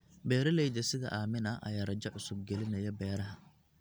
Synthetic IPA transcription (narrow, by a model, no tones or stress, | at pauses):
bɛːɾɐlɛjd̪ɐsɪðɐ̰ʔaːmɪnɐʔɐ̰jaːrɐd͡ʒɐʕʊsʊb̚ɡɛlɪnɐjɐbɛːɾɐɦɐ